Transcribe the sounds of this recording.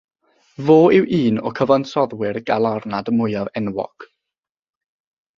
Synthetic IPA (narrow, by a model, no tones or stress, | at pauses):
voːɪwʔiːnɔ̰kʰəvɔnsɔðwɪrɡ̥alˠarnadəmʊɨavɛnwɔ̰ɡ̥